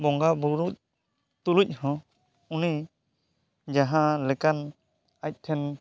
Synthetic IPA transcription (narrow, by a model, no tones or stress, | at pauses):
bɔŋɡabuɾuc̪̚ | t̪uluc̚ˀhɔ̃ | uni | d͡ʒaɦãlɛkan | ac̚ˀt̪ʰɛn